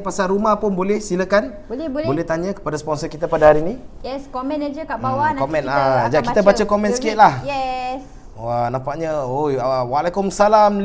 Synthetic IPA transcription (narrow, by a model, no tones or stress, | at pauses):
pasalɾumahpʊnbolɛhsinakanblɛblbolɛht̪aɲakə̥padaspɔnsɔrkit̪apadahaɾinĩjɛskɔmɛ̃nad͡ʒəkabawankɔmɛ̃nad͡ʒakit̪abat͡ʃakɔmɛ̃nsə̥kiit̪̚lahjɛs | wanãpaʔ̚ɲəojwalekʊmsalaml